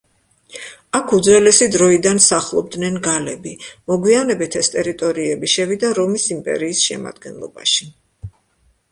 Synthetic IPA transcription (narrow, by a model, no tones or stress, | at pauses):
akʰud̪zɾɛlɛsid̪ɾɔid̪ansaχlˠɔb̚d̪nɛnɡalɛbimɔɡwianɛbit̪ʰɛst̪ʼɛɾit̪ʼɔɾiɛbiʃɛvid̪aɾɔmisimpʼɛ̰ɾiːsʃɛ̰ma̰d̪̥ɡɛnlˠɔ̰ba̰ʃi̥